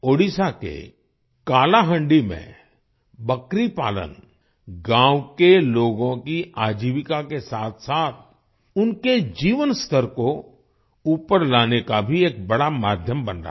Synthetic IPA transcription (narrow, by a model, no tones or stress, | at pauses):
oːɽisakḛ | kaːlaɦə̃ɳɖimḛ̃ | bɐkɾipaːlə̰n | ɡãːwkeloːɡõkiaːd͡ʒiːʋɪkakesaːt̪ʰsaːt̪̚ʰ | ʊnked͡ʒiːʋənst̪ʰəɾko | uːpəɾlaːnekabʱieːk̚bɐɽamaːd̪ʱjəmbənɾa̰ː